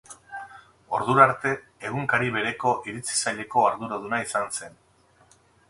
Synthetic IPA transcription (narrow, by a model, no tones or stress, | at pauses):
o̞ɾðuɾaɾt̪e̞ | eɣ̞uŋkaɾiβe̞ɾe̞ko̞ʔiɾit͡si̥saʎe̞ko̞aɾðuɾoð̞unaisanse̞n